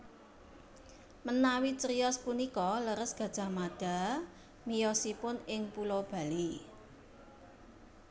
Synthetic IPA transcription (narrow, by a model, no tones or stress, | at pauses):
mənawit͡ʃɾiɔspunikɔləɾəsɡ̥ä̤d̥ʒ̥a̤mad̥a̤ | mijɔsipʊnɪŋpulɔb̥ä̤li